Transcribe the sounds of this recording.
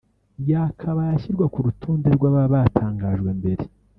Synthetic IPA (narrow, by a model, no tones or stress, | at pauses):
jakʰaβajaçiɾɡwakuɾutʰuːndiɾɡwaβaβatʰaːŋɡaːʒɡwe̞mbe̞ɾe